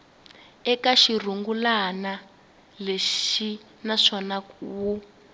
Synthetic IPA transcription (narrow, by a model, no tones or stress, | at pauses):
ɛkaʃir̤uŋɡulana | leʃi | naʂɔnawu